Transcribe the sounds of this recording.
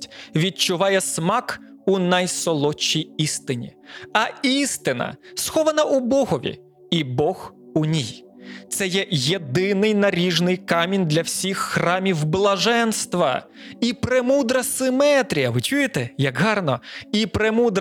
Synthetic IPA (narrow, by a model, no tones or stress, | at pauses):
tʲʋʲid̚t͡ʃʊʋɑjɛsmɑkunɐjsɔlˠɔt͡ʃːijist̪ɪnʲḭɐist̪ɪnɐ̰sxɔʋɐnɐʔubɔɦɔʋʲḭ | ibɔxʊnʲij | t̪sɛjɛjed̪ɪnɪjnɐɾʲiʒnɪjkɑmʲinʲd̪lʲɐwsʲixːrɑmʲiwblˠɐʒɛnst̪ʋɐ̰ | ipɾemud̪ɾɐsɪmɛt̪ɾʲijɐʋɪt͡ʃujet̪ɛjɐkɦɑrnɔipɾemud̪